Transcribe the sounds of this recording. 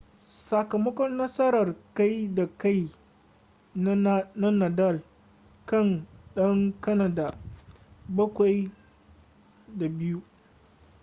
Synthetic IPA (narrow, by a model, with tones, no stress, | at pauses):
sɐ˨kɐ˨mɐ˦kɔ˦nːɐ˦sɐ˦ɾɐ˨rka˦jda˨ka˦˨j | n˦na˦na˨da˦˨l | kɐ˦˨nɗɐ˦ŋkɐ˦na˨da˨ | bɐ˦kʷa˨j | da˨bɪ˦ju˦